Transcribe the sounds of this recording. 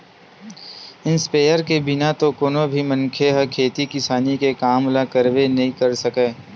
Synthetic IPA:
ɪnspeːjəɾkebɪnat̪okoːnobʱimɐ̃nkʰeɦɐkʰeːt̪ikɪsaːnikekaːmlakɐɾʋenɐɦĩkɐɾsɐkeː

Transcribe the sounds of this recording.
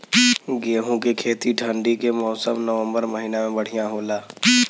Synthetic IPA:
ɡeːɦũkekʰeːt̪iʈʰə̃ɳɖikemɔːsəmnəʋə̃mbəɾməɦiːnamẽbəɽ̤ijãɦoːlaː

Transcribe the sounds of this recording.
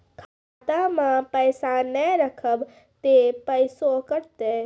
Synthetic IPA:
kʰaːt̪amãpəɪsanəɾəkʰəb | t̪epəɪsokəɾt̪e

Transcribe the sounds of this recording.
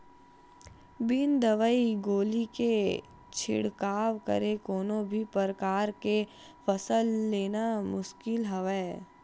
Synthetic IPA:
bɪnd̪əʋəiɡoːlike | t͡ʃʰɪ̰ɽkaːʋkə̰ɾekoːnõbʱipəɾəkaːɾke | pʰəsəlːeːnamʊʃkɪlɦɐʋɛː

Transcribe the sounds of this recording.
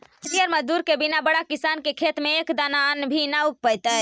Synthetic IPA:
t̪ijəɾməd͡ʒd̪uɾkebinabəɽakisankekʰet̪meːkd̪ananbʱinauk̚pəjt̪ə

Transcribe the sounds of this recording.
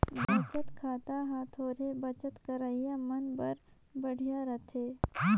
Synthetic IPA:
bət͡ʃət̪kʰaːt̪aɦãt̪ʰoːɾebɐt͡ʃət̪kɐɾaijamɐnbɐɾ | bəɽ̤ijaɾɐt̪ʰeː

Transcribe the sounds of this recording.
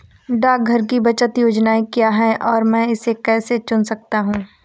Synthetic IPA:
ɖaːk̚ɡʱɐɾk̬ibɐt͡ʃət̪joːd͡ʒnaːekijaɦɛʔɔːɾmɛ̃ːɪsekɛːset͡ʃʊnsɐk̚t̪aɦũː

